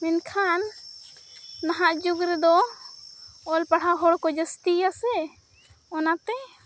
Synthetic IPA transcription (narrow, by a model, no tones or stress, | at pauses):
mɛnkʰan | aɦaʔd͡ʒuɡɾɛd̪ɔ | ɔlpaɽ̤aɦɔɽkɔd͡ʒəst̪ijasɛ | ɔnat̪ɛ